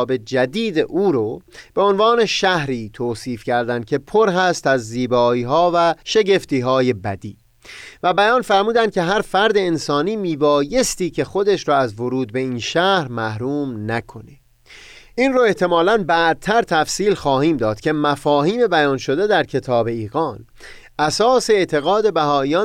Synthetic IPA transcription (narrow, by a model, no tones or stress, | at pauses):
be̞d͡ʒæd̪iːd̪eʔuːɾob̥e̞onvɒːne̞ʃæhɾiːt̪ʰoːsiːfcʰæɾd̪ænd̪kcʰe̞pʰoɾɦæst̪æzːiːbɒːiːɦɒːvæʃe̞ɟe̞ft̪iːɦɒːje̞bæd̪iː | væbæjɒːnfæɾmuːd̪ænd̪kcʰe̞ɦæɾfæɾd̪e̞ːnsɒːniːmiːbɒːje̞st̪iːcʰe̞xo̞d̪eʃɾɔːæzvoɾuːd̪̚be̞iːnʃæhɾmæhɾuːmnækʰo̞ne | ʔiːnroːe̞ht̪ʰe̞mɒːlænbæd̪̚t̪ʰæɾt̪ʰæfsiːlxɒːhiːmd̪ɒːd̪̥cʰe̞mæfɒːhiːme̞bæjɒːnʃo̞d̪e̞d̪æɾcʰe̞t̪ʰɒːbe̞iːɣɒːn | ʔæsɒːse̞ːt̪ʰe̞ɣɒːd̪e̞bæɦɒːijɒː